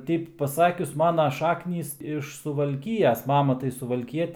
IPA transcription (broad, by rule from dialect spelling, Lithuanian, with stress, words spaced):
ˈtʲɛɪp pɐˈsɑːkʲʊs ˈmɑːnɐ ˈʃɑːknʲiːs ɪʃ sʊʋɐlʲˈkʲɪjɛs ˈmɑːmɐ tɐɪ sʊʋɐlʲˈkʲiɛt